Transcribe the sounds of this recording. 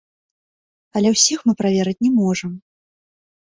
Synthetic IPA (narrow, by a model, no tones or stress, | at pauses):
ɐlʲɛwsʲixmɨpɾavʲɛɾɨt͡sʲnʲɛmɔʐɐm